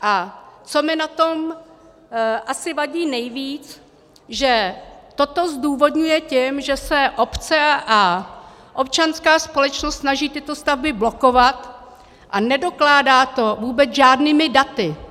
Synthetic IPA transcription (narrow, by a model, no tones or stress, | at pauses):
ʔat͡so̞mɪnat̪om | ʔasɪvaɟiːnɛjviːt͡s | ʒɛt̪ot̪o̞zduːvo̞dɲujɛcɛmʒɛsɛʔo̞pt͡sɛʔa | ʔo̞p̚t͡ʃanskaːspo̞lɛt͡ʃnost̪snaʒiːt̪ɪt̪o̞st̪avbɪbloko̞vat̪ | ʔanɛdo̞klaːdaːt̪o̞vuːbɛt͡sʒaːdniːmɪdat̪ɪ